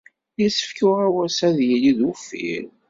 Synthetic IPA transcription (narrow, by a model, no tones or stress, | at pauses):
jisə̥fkʊʁæwæsæðjiliðufḭɾ